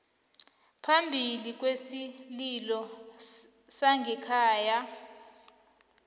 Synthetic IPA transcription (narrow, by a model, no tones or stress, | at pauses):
pʰambʱilik̬ʼwesililɔ | saŋɡʱɛkʰaːja